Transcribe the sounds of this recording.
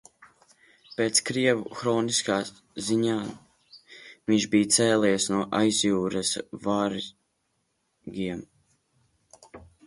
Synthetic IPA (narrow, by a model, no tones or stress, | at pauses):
peːt̪skɾiɛvuxɾɔːniskaː | ziɲaː | viɲʲʃbijt̪sɛːlɛjsnuɔʔajzjuːɾɛsvaːɾ | ɡiɛm